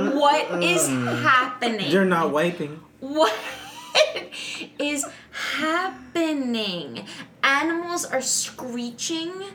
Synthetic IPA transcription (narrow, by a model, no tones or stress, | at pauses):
wʌɾɪz̥hæpɨnɪ̰̃ŋðə˞nət̚weɪpɪ̃ŋ | wʌ | ɪz̥hæpɨnɪ̃ŋʔænəml̩ˠzə˞skɹit͡ʃɪ̃ŋ